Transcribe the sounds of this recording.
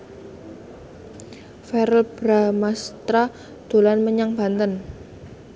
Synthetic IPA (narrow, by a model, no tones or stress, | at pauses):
fɛɾəlb̥ɾamast̪ɾa | d̪̥o̤lanməɲaŋb̥a̤nt̪ən